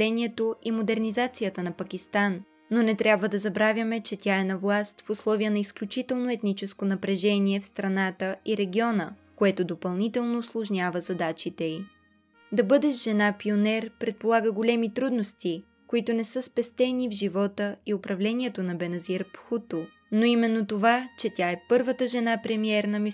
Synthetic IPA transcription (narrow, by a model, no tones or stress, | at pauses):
lɛnʲiɛt̪oʔimod̪ɛɾnizat̪sijət̪ənɐpɐkʲist̪anː | onɛt̪ɾʲjabvəd̪ɐzɐbɾavʲjɐmɛt͡ʃɛt̪ʲjaɛnɐvlˠast̪fʊslˠɔvijənɐisklʲut͡ʃit̪ɛlˠnoɛt̪nit͡ʃɛskonɐpɾɛʒɛniɛfst̪ɾɐnat̪əiɾɛɡʲiɔnəkoɛt̪od̪opɐlˠnit̪ɛlˠnoːslˠoʒnʲavəzɐd̪at͡ʃit̪ɛi | d̪ɐbɤd̪ɛʃʒɛnapionɛɾpɾɛt̪̚polˠaɡəɡolʲɛmit̪ɾud̪nost̪i | koit̪onɛsɤspɛst̪ɛnʲivʒivɔt̪əiʊpɾɐvlɛnʲiɛt̪onɐbɛnɐziɾpxut̪o | noimɛnːot̪ovat͡ʃɛt̪ʲaɛpɤɾvət̪əʒɛnapɾɛmiɛɾnɐmi